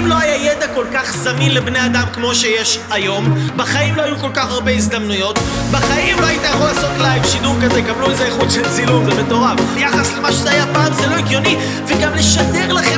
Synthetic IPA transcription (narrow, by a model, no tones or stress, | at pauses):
mloajajed̪ako̞lkaχzaminlebnead̪amkmo̞ʃejeʃajo̞mbaχaimloajuko̞lkaχaʁbe̞izd̪amnujo̞t̪baχaʔimloajit̪ajaχulaːso̞tlajvʃid̪uʁkazekabluezeeχud̪ʃelt͡silunvemet̪o̞ʁafjaχaslemaʃezeajapaːmzelo̞iɡjo̞ni | veɡamle̞ʃade̞ʁlaχe